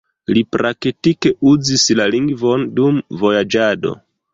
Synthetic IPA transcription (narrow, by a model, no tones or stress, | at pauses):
lipɾʔaktike̞uzislaliŋɡvo̞ndumvo̞jad͡ʒado̞̰